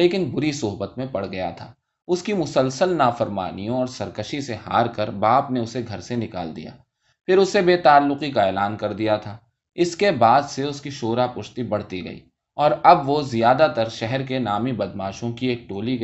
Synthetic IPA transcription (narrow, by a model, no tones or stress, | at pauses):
leːkɪnbʊɾisʊɦbət̪mẽpɐɽ̤ɡɐja̰t̪ʰaː | ʊskimʊsəlsəlnaːfɐɾma̰ːnijõɔːɾsɐɾkəʃiseɦa̰ːɾkɐɾbaːpneʊseɡʱɐɾsenɪka̰ːld̪ḭja̰ː | pʰɪɾʊsebeːt̪aːlːʊqikaeːlaːnkɐɾd̪ijat̪ʰaː | ɪskebaːd̪seʊskiʃoːɾapʊʃt̪ibɐɽ̤t̪iɡɐ̰ḭː | ɔːɾɐbʋozijaːd̪at̪ɐɾʃɛɦɛɾk̬enaːmibɐd̪maːʃõkieːk̚ʈoːli